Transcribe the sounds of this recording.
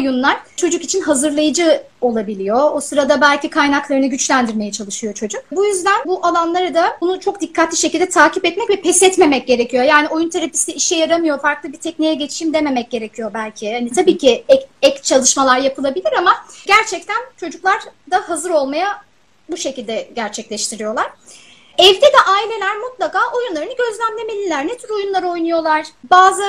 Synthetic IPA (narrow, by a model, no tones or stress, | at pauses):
ojunlˠaɾ̥t͡ʃʰo̞d͡ʒukit͡ʃʰinɦazɯɾlˠajɯd͡ʒɯo̞lˠabilʲijo̞osɯɾad̪abælʲcʰikʰajnaklˠaɾɯnɯɟyt͡ʃlʲænd̪iɾmejɛt͡ʃʰalˠɯʃɯjo̞t͡ʃʰo̞d͡ʒuk̚bujyzd̪ænbuʔalˠanlˠaɾad̪aunut͡ʃʰo̞kd̪ikʰːat̪lʲiʃe̞cʰʲilʲd̪ɛt̪ʰaːcipɛt̪mɛcvɛpʰɛsɛt̪me̞mɛc̚ɟe̞ɾecʰijo̞jaːnio̞junt̪ʰeɾapist̪ɛiʃɛjaɾamɯjo̞faɾklˠɯbit̪ʰɛcnijɛɟet͡ʃʰi̥ʃimd̪eme̞mɛc̚ɟ̥e̞ɾecʰijo̞bælʲcʰihanit̪ʰabiːcʰiɛɛct͡ʃʰalˠɯʃmalˠaɾjapɯlˠabilʲiɾamaɟæɾt͡ʃʰɛc̚t̪ʰænt͡ʃʰo̞d͡ʒuklˠaɾd̪ahazɯɾo̞lˠmaja | buʃecilʲd̪ɛɟæɾt͡ʃʰɛclʲɛʃt̪ʰiɾijo̞lˠaɾ̥ | ɛvd̪ɛd̪ɛʔaːilʲe̞lʲæɾmut̪lˠakaːʔo̞junlˠaɾɯnɯɟø̞zlʲæmlʲe̞me̞lʲilʲæɾnet̪ʰyɾo̞junlˠaɾɯo̞jnujo̞lˠaɾ̥baːzɯ